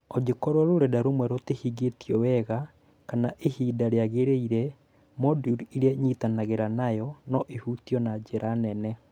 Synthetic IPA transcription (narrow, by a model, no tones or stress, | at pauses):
ɔd͡ʒekɔɾwɔɾoɾɛdaɾomwɛɾotehiɡetjɔwɛɣa | kanaʔehiːdaɾeaɣeɾeiɾɛ | mɔduɾiɾeaɲitanaɣeɾanajɔnɔʔehutijɔnad͡ʒeɾanɛnɛ